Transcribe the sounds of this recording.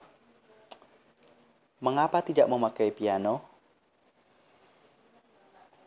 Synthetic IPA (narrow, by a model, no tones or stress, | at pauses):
məŋapat̪idaʔməmakajpiano